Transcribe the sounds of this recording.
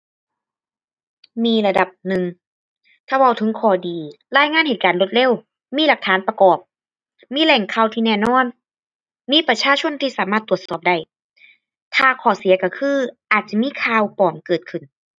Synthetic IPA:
miː˧˥la˧da˨˩p̚nɯ˨˩ŋ | t̪ʰaː˧˩wa˧˩wt̪ʰɯ˨˦kʰɔː˧˩diː˨˩ | laː˧˥˨jŋaː˧˥˨nhe˨˩t̪̚kaː˨nlo˧˦t̪̚le˧˥˨w | miː˧˥˨la˨˩k̚t̪ʰaː˨˦npa˧kɔː˨˩p̚ | miː˧˥˨lɛ˧˩ŋkʰa˧˩˨wt̪ʰiː˧nɛː˧˩nɔː˧˥˨n | miː˧˥˨pɾa˧t͡ɕʰaː˧˥˨t͡ɕʰo˧˥˨nt̪ʰiː˧saː˨˦maː˧˥˩t̪ːu˨˩ət̪sɔː˨˩p̚da˧˩j | t̪ʰaː˧˩kʰɔː˨˩˦si˨˩˦ɐka˧˩kʰɯː˧ʔaː˨˩t̪̚t͡ɕa˧˩miː˧˥˨kʰaː˧˨wpɔː˨˩mkɤː˨˩t̪̚kʰɯ˨˩n

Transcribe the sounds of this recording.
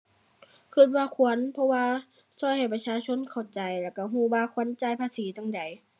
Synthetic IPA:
kʰɯ˧˩t̪̚waː˧kʰu˧˦ə˨npʰɔ˧waː˧ | sɔː˧˩jha˨˩jpa˧t͡ɕʰaː˧˨t͡ɕʰo˧˥˨nkʰa˨˩wt͡ɕa˨jlɛː˧˩wka˧˩ɦuː˧˩waː˧kʰu˧˥ə˨nt͡ɕaː˧˩˨jpʰaː˧siː˨˦t͡ɕa˧˨ŋda˨˩j

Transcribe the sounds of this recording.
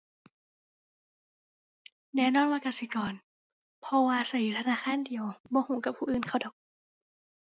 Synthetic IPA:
nɛː˧˨nɔː˧˥˨nwaː˧˨ka˧˩si˧˦kɔː˨˩n | pʰɔ˧waː˧sa˧˩ji˨˦t̪ʰa˧naː˧˥˨xʰaː˧˥˨ndi˨əwbɔː˧˦huː˨˦ka˨˧˩pʰːuː˧˨ʔɯː˨˩nkʰa˧˩wdɔː˨˩k̚

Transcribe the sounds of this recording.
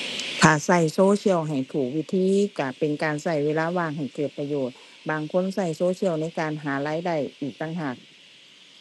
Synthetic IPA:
t̪ʰaː˨˩sa˧˩jsoː˧˥˨si˧˥˨əwɦa˨˩jt̪ʰuː˨˩k̚wi˦˧˥t̪ʰiː˧˥˨ka˧˩pe˧˨nkaː˨nsa˧˩jweː˧laː˧˥˨waː˧˩ŋɦa˨˩jkɤː˨˩t̪̚pa˧joː˨˩t̪̚ | baː˨˧ŋkʰo˧˥˨nsa˧˩jsoː˧˥sʰi˧˥˨əwna˧˥˩jkaː˨nɦaː˨˦laː˧˥jda˧˩jʔiː˨˩k̚t̪ʰa˧˥ŋɦa˧˩k̚

